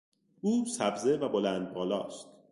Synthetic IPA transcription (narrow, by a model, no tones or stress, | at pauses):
ʔuːsæbzevæbo̞lænd̪̚bɒːlɒ̰ːst̪